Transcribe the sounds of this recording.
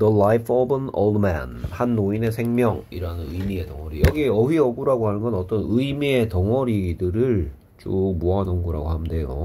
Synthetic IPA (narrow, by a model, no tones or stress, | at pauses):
dʌlajpʰobʌno̰ldma̰nhanːoine̞sʰe̞ŋmjʌŋiɾanɯnɯmie̞tʌŋʌɾijʌɡiʌwɥiʌɡuɾaɡohanɯnɡʌnʌt͈ʌnɯimie̞tʌŋʌɾidɯɾɯɭ | t͡ɕ͈oːuɦanonɡuɾa̰ɡohamnde̞jo̰